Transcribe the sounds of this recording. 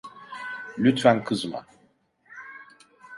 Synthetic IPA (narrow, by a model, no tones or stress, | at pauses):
lʲyt̪fænkʰɯzma̰